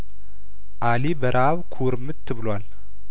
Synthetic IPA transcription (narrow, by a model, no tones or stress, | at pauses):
ʔalibəɾʔaβkʰuɾɨmːɨt̪ʰːɨβɨlwal